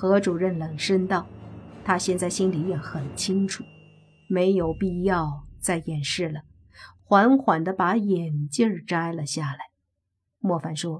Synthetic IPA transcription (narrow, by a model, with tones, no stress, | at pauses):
xɤ˧˥ʈ͡ʂu˨˩ɻə˥˩nlə˨˩ŋʂə˥nt̪ɑ˥˩ʊt̪ʰa˥ɕjɛ˥˧nt͡sa˥˩ɪɕi˥nli˨˩˥jɛ˥˩nxə˨˩nt͡ɕʰi˥ŋʈ͡ʂʰu̥˨˩˦ | me˧˥ɪjo˨˩ʊpi˥˧jɑ˥˧ʊt͡sa˥˩ɪjɛ˨˩nʂɻ̩˥˩lə˩ | xwa˧˥nxwa˨˩nd̪ə˦pa˧˥jɛ˨˩nt͡ɕjə˥˧ʈ͡ʂa˥ɪlə˨ɕja˥˩la˧˥ɪ | mwɔ˥˩fa˨˩nʂwɔ˥